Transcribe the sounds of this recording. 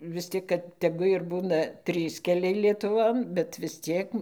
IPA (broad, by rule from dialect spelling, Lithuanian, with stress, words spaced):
ʋʲɪs ˈtʲɪk kɐt tʲɛˈɡʊ ɪr ˈbuːnɐ ˈtʲrʲiːs kʲɛˈlʲɛɪ lʲiɛtʊˈʋoːn bʲɛt ʋʲɪs ˈt͡sʲiɛk